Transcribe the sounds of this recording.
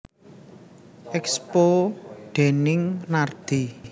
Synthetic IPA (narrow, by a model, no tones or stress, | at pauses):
ʔɛkspoɖ̪̥enɪŋnard̪̥i